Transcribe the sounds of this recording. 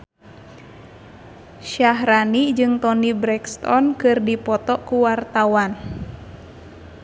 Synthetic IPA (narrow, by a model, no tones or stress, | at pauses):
ʃaɦɾanid͡ʒɨŋt̪ɔnibɾɛkst̪ɔnkɨrdipɔt̪ɔkuwart̪awan